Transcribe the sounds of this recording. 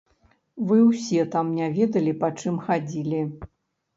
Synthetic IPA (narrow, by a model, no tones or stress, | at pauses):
vɨwsʲɛt̪amnʲavʲɛd̪ɐlʲipat͡ʂɨmxad͡zʲilʲi